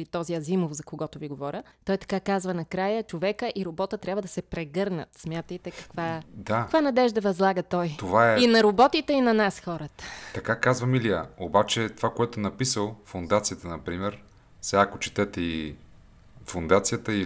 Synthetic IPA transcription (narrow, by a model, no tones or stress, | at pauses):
it̪ɔziɐzimofzɐkoɡɔt̪ʊviɡovɔɾʲət̪ɔjt̪ɐ̥kakazvɐnɐkɾajət͡ʃovɛkəʔiɾobɔt̪ət̪ɾʲabvəd̪ɐsɛpɾɛɡɤɾnə̰t̪smʲjat̪əjt̪ɛkɐ̥kvad̪akvanɐd̪ɛʒd̪ɐvɐzlˠaɡət̪ɔjt̪ovaɛinɐɾobɔt̪it̪ɛinɐnasxɔɾət̪ə̥t̪ɐkakazvɐmiliəobat͡ʃɛt̪ovakoɛt̪ʊnɐpisəlˠfond̪at̪sijət̪ənɐpɾimɛɾ | saːkot͡ʃi̥t̪ɛt̪ɛi | fond̪at̪sijət̪əi